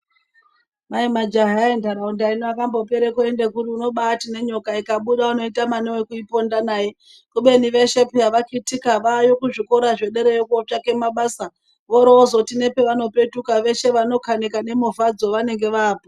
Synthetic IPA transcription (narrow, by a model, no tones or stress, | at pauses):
maimad͡ʒaɦaendaɾaundainoakambo̞pe̞ɾekoendekuriuno̞ɓaːtine̞ɲo̞kaikaɓuɗauno̞itamanewekuipo̞ndanaːje | kuɓe̞niʋe̞ʃe̞pijaʋakitikaʋajokuʐiko̞ɾaʐe̞ɗe̞ɾejokuot͡ʃake̞maɓaːsa | ʋoɾoozotine̞pe̞ʋano̞pe̞tukaʋe̞ʃe̞ʋano̞kanekane̞muvad͡zo̞ʋane̞ŋɡe̞ʋaːpo